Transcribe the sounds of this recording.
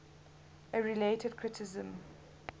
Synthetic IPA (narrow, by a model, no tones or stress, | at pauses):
ʔəɹiletʰəd̚kʰɹ̥ɪtʰɪzə̃m